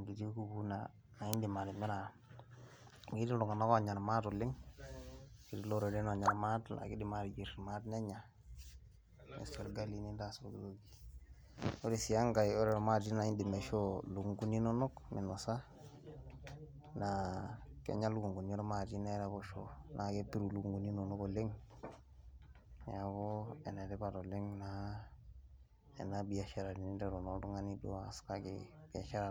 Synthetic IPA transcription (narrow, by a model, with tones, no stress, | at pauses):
ɡi˨di˦ɡu˦ɡu˦na˨ | a˨i˦ndi˨ma˨ɾi˨mi˦ɾa˨ | ɡi˦di˦lu˨ŋa˨na˦kɔ˦a˨ɲa˨ɾma˦tu˨lɪ˦ŋ | ɡi˦ɾi˦lo˦ɾe˨dɛ˦na˨ɲa˨ɾma˦tla̰˨ɡi˦di˨ma˨ɾd͡ʒi˨ɾma˦tnɛ˦ɲa˨ | mḛ˨se˨ɾɡa˦li˨ni˦nda˨so˨ɡi˨ɡo˦ɡi˨ | o˦ɾi˨si˨ja˦ŋɡa˨jo˦ɾɛ˨ɾma˦d͡ʒi˦na˨i˦ndi˨mɛ˨ʃo˦lu˨ɡu˨ŋɡu˦ni˦no˦no˦kmi˨no˨sa˦ | nakḛ˨ɲa˦lu˦ɡu˨ŋɡu˨ni˦o˦ɾa˦ma˨d͡ʒi˦na˦ɾa˦bo˦ʃonʔa˨ke˦pi˦ɾu˨lu˦ɡu˦ŋɡu˨ni˦no˨no˦ɡo˨le˦ŋ | ja˨ɡo˦ḛ˨ne˨de˦ba˨do˨le˦ŋna | ḛ˨na˦bi˨a˨ʃa˦ɾa˨ni˨ni˦nde˨ɾo˨nodu˦ŋa˦ni˦do̰˦a˨ska˦ɡḛb̥i˨a˨ʃa˦ɾa˨